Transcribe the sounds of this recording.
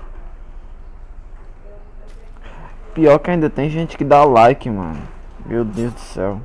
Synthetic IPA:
piɔɾkɪaĩnd̪ɐt̪ẽj̃ʒẽt͡ʃɪ̥kɪd̪alajkɪmɐ̰̃nʊ | mewd̪ezd̪ʊsɛ̰w

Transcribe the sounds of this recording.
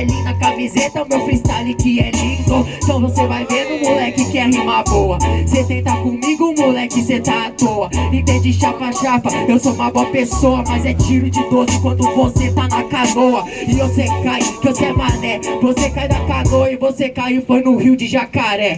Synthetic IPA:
lĩnɐkamizet̪ɐʊmewfɾist̪alikɪɛlĩd̪ʊ̃t̪ɐ̃w̃vosevajvenʊ̃mulɛkɪkɪɛɦimaboɐset̪ẽj̃t̪akõmiɡʊʊ̃mulɛkɪset̪aat̪oɐẽt̪ẽd͡ʒɪʃafɐʃafɐewsoũmɐboɐpesoɐmɐzɛt͡ʃiɾʊd͡ʒɪd̪ozɪkwɐ̃nd̪ʊvoset̪anɐkanoɐɪvosekajkosɛmanɛvosekajnɐkanoɐɪvosekajɪfojnʊhiwd͡ʒɪʒakaɾɛ

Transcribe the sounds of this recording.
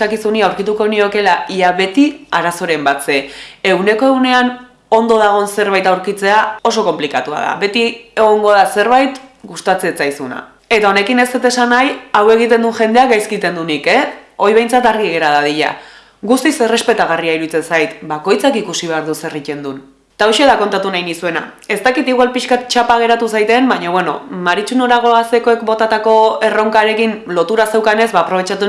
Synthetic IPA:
akisuniawɾkit̪uko̞nio̞ke̞laiaβe̞t̪iaɾaso̞ɾe̞mbat͡se̞e̞ɣune̞ko̞e̞ɣune̞an | o̞nd̪o̞ð̞aɣ̞o̞nse̞ɾβajt̪awɾkit͡se̞ao̞s̬o̞ko̞mplikat̪ua̰ða̰βe̞t̪ie̞ɣ̞o̞ŋɡo̞ðase̞ɾβajt̪ɡust̪at͡seet͡sajsuna̰ | e̞t̪ao̞ne̞kine̞st̪et̪e̞sanajawe̞ɣ̞it̪e̞nd̪unʝe̞nd̪eakɡajskit̪e̞nd̪unike̞o̞jβ̞e̞jnt͡sat̪aɾɣ̞iɣe̞ɾaðaðiʎa̰ | ɣust̪isere̞spe̞t̪aɣariaiɾuit͡se̞nsajt̪bako̞jt͡sakikusiβe̞aɾðuse̞rice̞nd̪un | t̪aoʃeðako̞nt̪at̪unajnisue̞na̰ | e̞st̪akit̪iɣwalpiʃkat̪̚t͡ʃapaɣ̞e̞ɾat̪usajt̪e̞mbaɲo̞βe̞no̞̰maɾit͡ʃuno̞ɾaɣ̞o̞ase̞ko̞e̞kbo̞t̪at̪ako̞e̞ro̞ŋkaɾe̞kinlo̞t̪uɾase̞wkane̞zβaːpɾo̞βe̞t͡ʃat̪u

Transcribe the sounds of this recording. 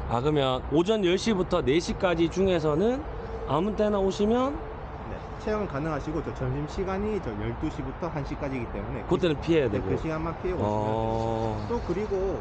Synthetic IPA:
aɡɯmjʌnod͡ʑʌnjʌɭɕ͈ibutʰʌne̞ɕʰik͈ad͡ʑit͡ɕuŋɦe̞s̬ʰʌnɯn | amunt͈e̞naoɕʰimjʌn | ne̞̰ | t͡ɕʰejʌŋɯnkanɯŋɦaɕʰiɡot͡ɕʌt͡ɕʌnɕimɕʰiɡaɲit͡ɕʌjʌɭt͈uɕʰibutʰʌɦanɕʰik͈ad͡ʑiɡit͈e̞mune̞kot͈e̞nɯnpʰiɦe̞jadeɡoeɕʰiɡanmakʰejoʌ | t͈okɯɾiɡo

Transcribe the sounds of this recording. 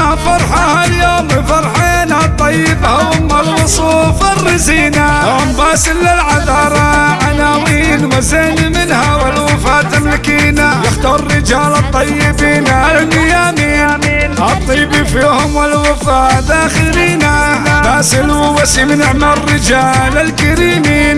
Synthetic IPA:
afɑɾˤħahaljoːmɪfɑɾˤħeːnhat̪ˤːɑjːɪbhʊmwɪlwʊsˤuːfarːɪziːnajoːmbaːsɪlːɪlʕaðɑːɾˤɑʕanaːwiːnwazeːnimɪnhawalwɪfaːt̪ːamlɪkiːnajaxt̪ɑrːɪd͡ʒaːlɑt̪ˤːɑjːɪbiːnalnɪjaːminʔɑt̪ˤːibifiːhʊmwɪlwɪfaːd̪axɪɾiːnanabaːsɪlwwasimɪnɪʕmarːɪd͡ʒaːlalkaɾiːmiːn

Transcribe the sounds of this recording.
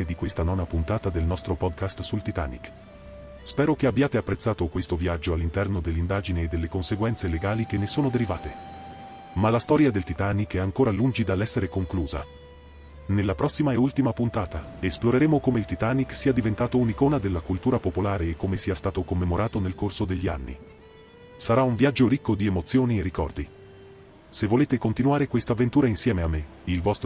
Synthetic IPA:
ed̪ikwest̪anɔːnapunt̪aːt̪ad̪elnɔst̪ɾopɔd̪kast̪sult̪it̪a̰ːnḭk | spɛːɾok̟eabːjaːt̪eapːɾet̪sːaːt̪okwest̪oviad͡ʒːoalːint̪ɛrnod̪elːind̪aːd͡ʒineːd̪ːelːekonseɡwɛnt̪seleɡaːlik̟enːesoːnod̪eɾiva̰ːt̪e | malast̪ɔːɾjad̪elt̪it̪aːnikɛaŋkoːɾalund͡ʒid̪alːɛsːeɾekoŋkluːza̰ | nelːapɾɔsːimaeult̪imapunt̪aːt̪aesploɾeɾeːmokomeilt̪it̪aːniksiːad̪ivent̪aːt̪ounikoːnad̪elːakult̪uːɾapopolaːɾeːkːomesiast̪aːt̪okomːemoɾʔaːt̪onelkorsod̪eʎːia̰nːḭ | saɾauɱvjad͡ʒːoɾikːod̪iemot̪sːjoːnierːikɔrd̪i | sevːoleːt̪ekont̪inuaːɾekwest̪avːent̪uːɾainsjɛːmeamːe | ilvɔst̪

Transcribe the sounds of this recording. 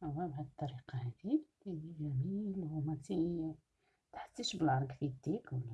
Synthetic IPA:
ʔæwæbʕæd̪t̪ˤːɑɾiqɑhæd̪i | ijæmilhumæt̪i | t̪ħə̥t̪ːiʃbəlʕɑɾˤɡfid̪ikwəlːæ

